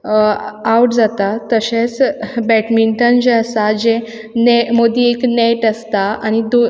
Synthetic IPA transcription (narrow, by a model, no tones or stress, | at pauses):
awʈd͡zat̪at̪əɕẽt͡sbɛʈmiɳʈənd͡ʑeəsad͡ʑe | nemod̪ʱiekneʈəst̪aaɽ̃id̪o